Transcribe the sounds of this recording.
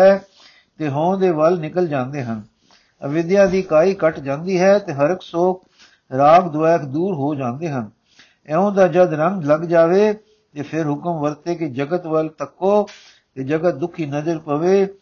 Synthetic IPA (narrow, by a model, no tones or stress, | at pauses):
ɛː | t̪eːɦõːd̪eːʋəlnɪkəld͡ʒãːnd̪eːɦən | əʋɪd̪jãːd̪iːkaːiːkəʈd͡ʒãːnd̪iːɦɛːt̪eːɦəɾəksoːk̚ | ɾaːɡd̪ʊʋaːkʰd̪uːɾɦoːd͡ʒãːnd̪eːɦən | ɛ̃ːõːd̪aːd͡ʒəd̪ɾəŋɡləɡd͡ʒaːʋeː | t̪eːpʰɪɾɦʊkəmʋəɾt̪eːked͡ʒəɡət̪ʋəlt̪əkːoː | t̪eːd͡ʒəɡət̪̚d̪ʊkʰiːnəzəɾpəʋeː